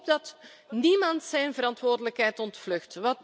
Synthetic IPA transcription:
pdɑt | nimɑntsɛjnvəɾɑntʋoːrdələkɦɛjtɔntflɵxtʋɑt

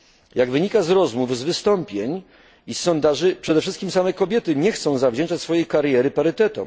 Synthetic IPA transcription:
jaɡvɘɲikazɾɔzmuvzvɘst̪ɔmpʲjeɲ | isːɔnd̪aʐɘpʂɛd̪ɛfʂɘst̪kʲimsamɛkɔbʲjɛt̪ɘɲɛxt̪sɔ̃w̃zavd͡ʑɛnt͡ʂat͡ɕʲsfɔjejkaɾjɛɾɘpaɾɘt̪ɛt̪ɔ̰m

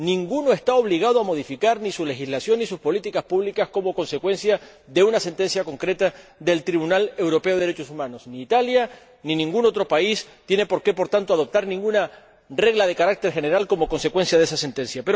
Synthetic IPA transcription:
nĩŋɡuno̞est̪ao̞βliɣ̞aðoamo̞ðifikaɾnisule̞xizlasjo̞nːis̬uspo̞lit̪ikaspuβlikasko̞mo̞ko̞nse̞kwẽ̞nsja | ðe̞unase̞nt̪e̞nsjako̞ŋkɾe̞t̪aðe̞lt̪ɾiβunale̞wɾo̞pe̞o̞ðɾet͡ʃosumãno̞sniːt̪alja | nĩnĩŋɡuno̞t̪ɾo̞paist̪je̞ne̞po̞ɾke̞po̞ɾt̪ant̪oað̞o̞p̚t̪aɾnĩŋɡuna | re̞ɣlað̞e̞kaɾak̚t̪e̞ɾxe̞ne̞ɾalko̞mo̞ko̞nse̞kwe̞nsjaðe̞sase̞nt̪ẽ̞nsjapeɾo

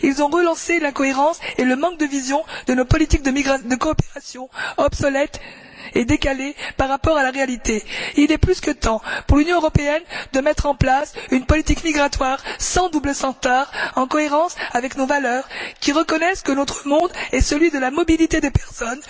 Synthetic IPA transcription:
ilzɔ̃ʁəlɑ̃selɛ̃kɔeʁɑ̃seləmɑ̃k̚d̪əvizjɔ̃d̪ənopɔlit̪ik̚d̪əmiɡʁad̪əkɔːpeʁasjɔ̃ɔbsɔlɛt̪ | ed̪ekalepaʁːapɔʁalaʁealit̪eilɛplyskət̪ɑ̃puʁlynjɔ̃əʁɔpeɛnd̪əmɛt̪χɑ̃plasynpɔlit̪ikmiɡʁat̪waʁsɑ̃d̪ubləsɑ̃t̪aʁɑ̃kɔeʁɑ̃savɛknovalœːʁkʲiʁəkɔnɛskənɔt̪χəmɔ̃d̪ɛsəlɥid̪əlamɔbilit̪ed̪epɛʁsɔn

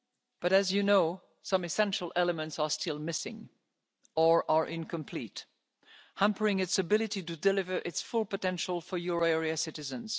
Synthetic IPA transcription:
b̥ʌɾɨzjɨnoʊ | sʌ̃mɨsɛ̃nʃəl̩ˠʔɛlˠəmə̃ntsə˞stʰɪlˠmɪsɪ̰̃ŋ | ə˞ʔəɹʔɪ̃nkʰə̃mpʰl̥it | hæ̃mpə˞ɪ̃ŋɨtsəbɪlˠɨɾiɾɨdɨlɪvə˞ʔɪtsfʊlˠpətɛ̃nʃəl̩ˠfə˞juɹoɛɹiɨsɪɾɨzɨ̃nz̥

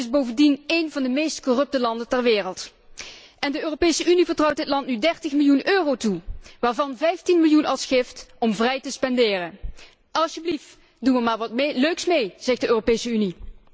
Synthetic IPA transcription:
tɪzbowvəndinejnvɑndəmejstkɔrɵp̚təlɑndəntɛrʋɪːrəlˠt | ʔɛndəøːropejsəʔynivəɹtrɔwtdɪtlɑntnydɛɹtəχmɪlˠjunøːrowtuʋaːɹvɑnvɛjftinmɪlˠjunɑlˠsχɪftɔmvrɛjtəspɛndɪːrən | ɑlˠʃjəblift | dunʋəmaːɹʋɑtmløɥksmejz̥ɛxdəøːropejsəyni

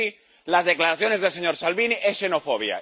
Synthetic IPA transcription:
i | lazðeklaɾaθjonezðelseɲoɾsalβiniʔesʃenofoβ̞ja̰

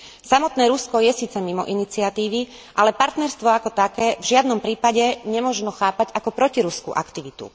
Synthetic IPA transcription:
samɔt̪nɛːɾuskɔjɛsiːt͡sɛmimɔ̰ʔinit͡siat̪iːʋi | ʔalɛpaɾt̪nɛɾst̪ʋɔakɔt̪akɛːvʒɪad̪nɔmpɾiːpaɟɛɲɛmʊɔʒnɔxaːpaɟakɔpɾɔciɾuskṵʔa̰kt̪iʋit̪ṵ

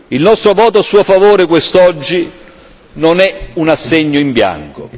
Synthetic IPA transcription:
ilnɔst̪ɾovɔːt̪oasuːofavoːɾekwest̪ɔd͡ʒːi | nonɛunasːɛɲːoimbja̰ŋko̰

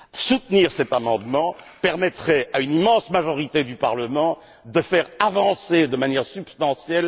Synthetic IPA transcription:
sut̪niʁsɛt̪amɑ̃d̪mɑ̃ | pɛʁmɛt̪χɛaynimɑ̃smaʒɔʁit̪ed̪ypaʁləmɑ̃ | d̪əfɛʁavɑ̃sed̪əmanjɛʁsypst̪ɑ̃sjɛl

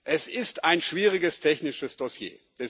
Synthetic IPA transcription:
ʔɛsɪstaɪnʃv̥iːʁɪɡəstʰɛçnɪʃəsd̥osjḛːd̥ɛ

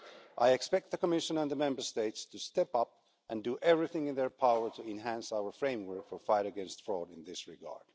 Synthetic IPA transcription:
ʔaɪɨkspɛk̚t̪̚ðɨkəmɪʃə̃nə̃nðəmɛ̃mbə˞steɪtstʰɨstɛpʌp̚ | ʔɨ̃ndɨʔɛvɹiθɪ̃ŋɨ̃nðə˞pʰaʊə˞təɨ̃nɦæ̃nsaʊə˞fɹẽɪ̃mwə˞kfə˞faɪɾɨɡɛ̃nstfɹɔɾɨ̃nðɪsɹɪɡɑ̰ɹd̥

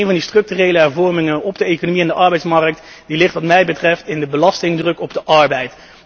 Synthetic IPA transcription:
nvɑndistrɵk̚tyrejləɦɛɹvɔɹmɪŋəɔbdəejkonomiɛndəʔɑɹbɛjtsmɑrək̚t | d̥ilɪχtʋɑtmɛjbətrɛftɪndəbəlɑstɪŋdrɵkɔbdəʔɑɹbɛjt

